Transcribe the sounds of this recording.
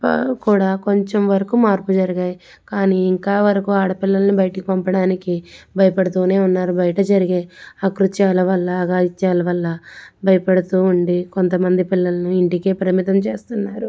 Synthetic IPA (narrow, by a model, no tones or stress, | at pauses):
kuːɽaːko̞ɲt͡ʃemʋɐɾɐkumaːɾpud͡ʒɐɾiɡaːji | kaːniːiŋkaːʋɐɾɐkuaːɽɐpilːɐlɐnubɐjɐʈɐkipɐmpɐɽaːnikibʱɐjɐpɐɽɐt̪uːne̞ːunːaːɾubɐjɐʈɐd͡ʒɐɾiɡe̞ːɐkɾut͡ʃaːlɐʋɐlːɐɡaːit͡ʃːaːlɐʋɐlːɐbʱɐjɐpɐɽɐt̪uːɳɖiko̞nt̪ɐmɐnd̪ipilːɐlɐnuiɳʈikeːpɐɾɐɐmit̪ɐmt͡ʃe̞ːst̪unːaːɾu